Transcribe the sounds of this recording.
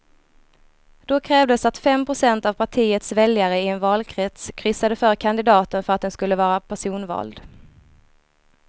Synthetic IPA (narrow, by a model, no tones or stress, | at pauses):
d̪̥ɔkʰɾɛːvd̪əsat̪fɛmpʰɾʊsɛnt̪av̥pʰaʈʰiːət̪svɛljaɾəɪɛnvɑːlkʰɾɛt̪skʰɾʏsːad̪əfœɾkʰand̪ɪd̪ɑːt̪ənfœɾat̪d̪ɛnskɵlːəvɑːɾapʰæʂuːnvɑ̰ːld̪